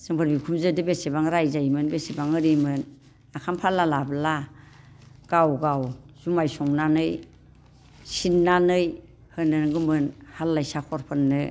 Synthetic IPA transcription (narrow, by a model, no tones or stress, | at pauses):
z̥ɯŋpʰɯɾbikʰumzɯdɯbesebaŋɾajzajmɯnbesebaŋɯɾimɯn | akʰampʰalːalabla | ɡ̥awɡawz̥umajsɔŋnanɯj | sinːanɯj | hɯnɯnɡɯmɯnhalːajsakʰɔɾpʰɯnːɯ